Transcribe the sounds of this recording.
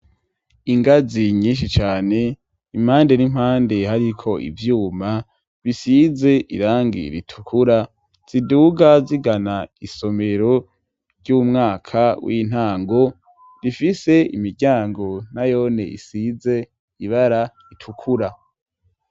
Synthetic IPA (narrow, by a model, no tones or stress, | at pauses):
iŋɡaziɲiːnʃit͡ʃaːne̞ | im̥haːnde̞nim̥haːnde̞haɾikʰo̞ʔḭvjuːma | βisize̞ʔḭɾaːŋɡḭɾitʰukʰuɾa | z̥iduːɡaziɡanaiso̞me̞ɾo | ɾɟuːmŋaːkʰawḭːn̥haːŋɡo̞ | ɾifise̞ḭmiɾɟaːŋɡo̞najo̞ne̞ḭsize̞ | iβaɾa | itʰukʰuɾa